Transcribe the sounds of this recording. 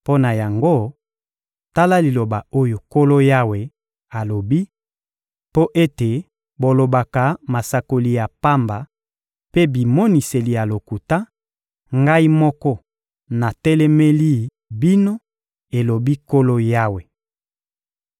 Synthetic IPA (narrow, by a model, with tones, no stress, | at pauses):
po˦na˨ja˨ŋɡo˦ | ta˦la˦li˨lo˨ba˨o˦jo˨ko˦lo˦ja˦we˨ | a˨lo˨bi˦ | po˦ʔe˦te˨ | bo˨lo˨ba˨ka˨ma˨sa˨ko˨li˨ja˨pa˦mba˨ | pe˦bi˨mɔ˦ni˨se˨li˨ja˨lo˨ku˨ta˦ | ŋɡa˦i˦mɔ˦kɔ˦ | na˨tɛ˦lɛ˦mɛ˦li˦ | bi˦no˦ | e˨lo˨bi˦ko˦lo˦ja˦we˨